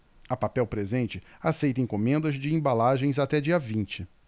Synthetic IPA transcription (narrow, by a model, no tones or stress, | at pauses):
ɐpapɛwpɾezẽnt͡ʃɪasejt̪ẽj̃komẽnd̪ɐzd͡ʒɪẽbalaʒẽj̃zat̪ɛd͡ʒiɐvĩnt͡ʃɪ